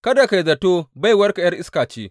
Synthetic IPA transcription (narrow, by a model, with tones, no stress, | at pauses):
kɐ˦da˨ka˨jzɐ˨toː˦ba˦˨jwɐ˦rkɐ˨jɐ˦rʔɪ˦skaː˨t͡ʃeː˦